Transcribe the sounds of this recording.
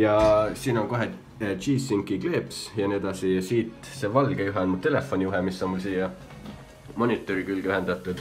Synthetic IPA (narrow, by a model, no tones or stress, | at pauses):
jɑsiːno̞ŋkoɦe | t͡ʃiːsːiŋkːˑikle̞ːpsjɑnied̪̥ɑsijɑsiːt̪ˑ | se̞ːvɑlɡ̥ejuɦɛɑnmut̪e̞le̞fːonʲiuɦɛmisːo̞nmulsiːjɑ | mo̞nʲit̪ːˑoɾikylɡ̥yɦend̪̥ɑt̪ːˑud̪̥